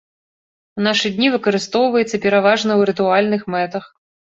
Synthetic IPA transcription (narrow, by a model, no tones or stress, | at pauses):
naʂɨd̪ʲnʲivɨkɐɾɨst̪ɔwvɐjɛt̪sːɐpʲɛɾavaʐnɐwɾɨt̪ualʲnɨxmɛt̪ɐx